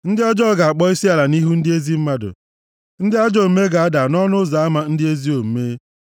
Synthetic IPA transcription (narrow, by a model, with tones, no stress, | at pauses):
n̩˦dɪ˦a˦d͡ʒɔ˦˨ɡa˨a˨k͡pɔ˦i˦si˦a˨la˨ni˦ɦu˦n̩˦dɪ˦e˦zi˦m̩˦ma˦dʊ̰˨ | n̩˦dɪ˦a˦d͡ʒɔ˦˨˦me˦ɡa˨a˦da˨nɔ˦nʊ˦za˨a˦ma˦n̩˦dɪ˦e˦zi˦o˨m̩˨meː˦